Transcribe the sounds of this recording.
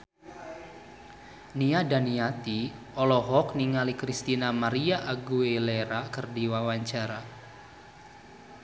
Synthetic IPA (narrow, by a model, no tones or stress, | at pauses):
niadaniat̪i | ɔlɔɦɔkniŋalikɾist̪inamaɾiaʔaɡueleɾakɨrdiwawaɲt͡ʃaɾa